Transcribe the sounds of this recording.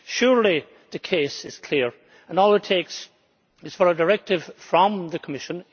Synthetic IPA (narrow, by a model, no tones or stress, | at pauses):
ʃʊɹlˠi | ðɨkʰesɪz̥kʰl̥iɹ | ə̃nɔlˠɨtʰeks | ɨz̥fə˞ədə˞ɛk̚tɪv̥fɹə̃mðəkʰəmɪʃə̃n